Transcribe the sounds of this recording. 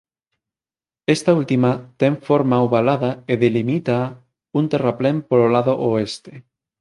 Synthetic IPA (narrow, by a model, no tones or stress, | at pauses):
est̪ault̪imat̪eɱfoɾmauβalaðaeðelimit̪a | unt̪eraplempololaðoʔoest̪e̥